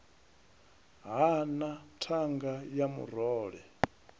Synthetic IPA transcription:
ɦanatʰaŋɡajamṵɾɔːɺɛ

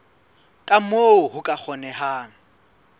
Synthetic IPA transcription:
kʼamoʊɦʊkʼak͡xʰɔnɛɦaːŋ̩

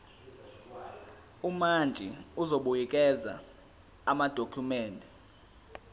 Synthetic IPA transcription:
umand͡ʒʱiuzoɓujik̬ʼɛza̰ | amad̥ʱokʰumɛːndʱʼɛ

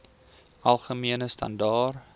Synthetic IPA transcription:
ɐlˠχəmiənəstɐ̰ndɑːr

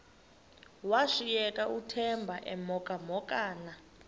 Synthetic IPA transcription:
waʂijɛkʼaʔutʰɛmbʱaʔɛmɔkʼamɔkʼaːna

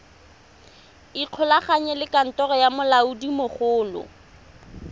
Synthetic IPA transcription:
iq͡χʰɔlaχaɲɛlɪkʼan̩tɔrɔjamʊlaudimʊχʊːlʊ̰

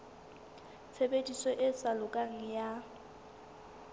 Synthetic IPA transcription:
t͡sʰebedʼisɔʔɪsalʊkʼaŋ̩ja

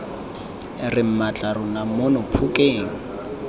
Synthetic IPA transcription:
rɪm̩mat͡ɬʼarʊnamʊnʊpʰʊkʼeːŋ̩

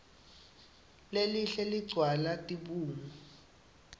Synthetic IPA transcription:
leliɬɛliɡ͡ǀʱwalatʼiɓuːmu

